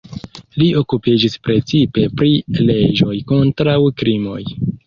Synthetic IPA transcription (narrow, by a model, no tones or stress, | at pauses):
lio̞kupid͡ʒispɾe̞t͡sipe̞pɾile̞d͡ʒo̞jko̞ntɾawkɾimo̞̰j